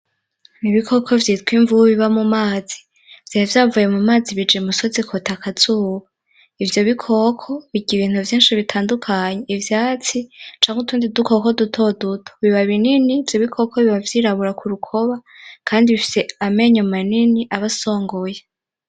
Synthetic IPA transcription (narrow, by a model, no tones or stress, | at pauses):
niβikʰo̞kʰo̞vjiːtkwiɱvuβiβamumaːz̥i̥ | v̥jahevjaːvuje̞mumaːziβid͡ʒimuso̞zikʰotʰakʰat͡suːwa | ivjo̞βikʰo̞kʰo̞βiɡiβiːn̥huvjiːnʃiβitʰaːndukʰaɲeivjaːt͡sit͡ʃaːŋɡotuːndidukoko̞dutʰo̞dutʰoβiβaβininiːvjoβikʰo̞kʰoβiβavjiːɾaβuɾakuɾukʰo̞βakʰaːndiβifi̥se̞ame̞ɲomaniniʔaβaso̞ːŋɡo̞je